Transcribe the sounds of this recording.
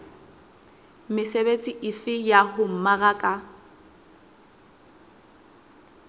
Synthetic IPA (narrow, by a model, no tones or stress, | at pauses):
mɪsebet͡sʼiʔɪfɪjahʊm̩maɣakʼa